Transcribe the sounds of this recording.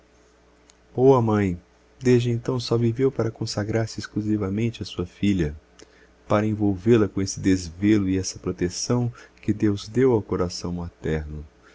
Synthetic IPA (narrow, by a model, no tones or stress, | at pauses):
owɐmɐ̃j̃ | d̪eʒd͡ʒɪẽnt̪ɐ̃w̃sɔvivewpaɾɐkõsaɡɾaɾsɪiskluzivɐmẽnt͡ʃɪɐsuɐfiʎɐ | paɾɐẽvowvelɐkõesɪd̪ezvelʊɪɛsɐpɾot̪esɐ̃w̃kɪd̪ewzd̪ewawkoɾasɐ̃w̃mat̪ɛɾnʊ